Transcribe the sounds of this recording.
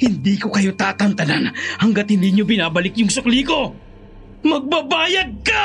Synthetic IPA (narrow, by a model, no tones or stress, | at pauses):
hɪnd̪iːko̞kɐjo̞t̪aːt̪ɐnt̪ɐlanhɐŋɡat̪̚hɪnd̪iːɲobɪnaːbɐlɪkjʊŋsɐkliːko̞ | mɐɡ̚bɐbaːjɐd̪̚ka